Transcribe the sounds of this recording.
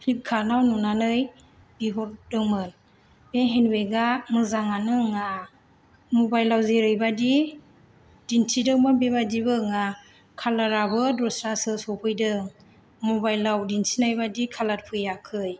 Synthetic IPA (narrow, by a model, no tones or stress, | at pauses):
pʰlip̚kʰanawnɔnanɯj | b̥iɦɔɾdɯŋmɯn | b̥eɦenweɡamɯzaŋanɯŋa | mɔbajlːawzeɾɯjbadi | d̥insʰidɯŋmɯnbebadibɯŋa | kʰalaɾabɯdɾɔsɾasɯsɔpʰɯjdɯŋ | mɔbajlːawdinsʰinajbadikʰalaɾ̚pʰɯjakʰɯj